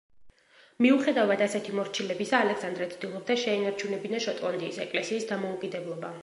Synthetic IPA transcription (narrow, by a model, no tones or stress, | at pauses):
miuχɛd̪avad̪asɛt̪ʰimɔɾt͡ʃʰilɛbisaːlɛksand̪ɾɛt̪sʰʼd̪ilˠɔb̚d̪aʃɛinaɾt͡ʃʰunɛbinaʃɔt̪ʼlˠɔnd̪iːsɛkʼlɛsiːsd̪amɔukʼid̪ɛblˠɔba